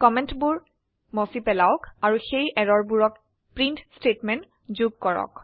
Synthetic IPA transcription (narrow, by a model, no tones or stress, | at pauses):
kɔmɛntbʊɹ | mɔsipɛlaʊkaɹuxejʔɛɹɔɹbuɹɔk̚ | pɹintstetmɛnt | zuɡ̚kɔɹɔ̰k̚